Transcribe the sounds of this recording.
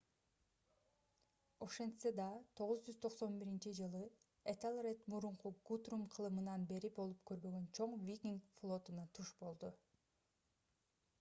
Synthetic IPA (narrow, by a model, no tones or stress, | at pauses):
o̞ʃe̞nt̪sed̪ɑt̪ʰo̞ʁuzd͡ʒyz̥t̪ʰo̞qso̞nbiɾint͡ʃid͡ʒɯlˠɯ | et̪alˠret̪muɾuɴquɡut̪rumqʰɯlˠɯmɯnɑnbe̞ɾipo̞lˠup̚kø̞ɾbø̞ɡø̞nt͡ʃʰo̞ɴvʲikʲiŋflˠo̞t̪unɑt̪ʰuʃbo̞lˠd̪u